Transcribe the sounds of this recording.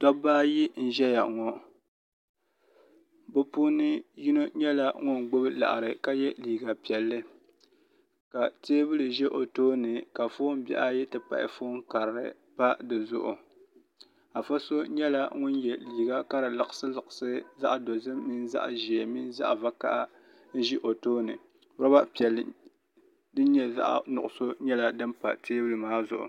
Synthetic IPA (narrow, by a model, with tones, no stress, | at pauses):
tɔ˦baː˦ji˦n̩˦ʒɛ˦ja˨ʔŋɔ˦ | bɨ˦pu˦nɨ˦ji˦no˦ɲɛ˦la˦ŋʊ˦nɡ͡bo˦bɨ˦la̰˨ʔɾɨ˨ka˦jɛ˦liː˨ɡa˨pi˨ɛ˨lːɨ˦ | ka˨teː˦bɨ˦lɨ˨ʒɛ˦ʔo˨toː˦nɨ˨ka˨foː˦m˦bɛ̰˦ʔa˦ji˦tɨ˨pa̰˨ʔɪ̰˨foː˦ŋ˦ka˨ɾɾɨ̰˦ | pa˦dɨ˨zʊ̰˦ʔʊ̰˨ | a˨fa˦so˦ɲɛ˦la˦ŋʊ˦njɛ˨liː˨ɡa˦ka˦ɾɨ˨lɨ˨ʔɨ˨sɨ˦lɨ˨ʔɨ˨sɨ˦za˦ʔdo˨zɨ˦mːi˦n˦za̰˦ʔʒi˨e˨mi˦n˦za̰˦ʔva˦ka̰˦ʔa˦ | n̩˦ʒi˦ʔo˨toː˦nɨ˨˦ | a˦ba˦pi˨ɛ˨lːɨ˨ | dɨ˦ɲɛ˦za̰˦ʔnʊ̰˨ʔʊ˨so˦ɲɛ˦la˦dɨ˦mpa̰˨teː˦bɨ˦lɨ˨maː˦zʊ̰˨ʔʊ̰˨